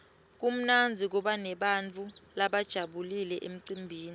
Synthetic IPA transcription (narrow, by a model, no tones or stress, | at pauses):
k̬um̩nand͡zʱik̬uɓanɛɓant͡fʰulaɓad̥ʒ̥ʱaɓulilɛʔḛm̩ǀimbʱiːni